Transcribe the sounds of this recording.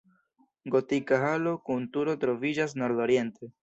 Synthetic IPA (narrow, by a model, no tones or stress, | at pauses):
ɡo̞tikaɦalo̞kuntuɾo̞tɾo̞vid͡ʒas̬no̞ɾdo̞ɾje̞nte̞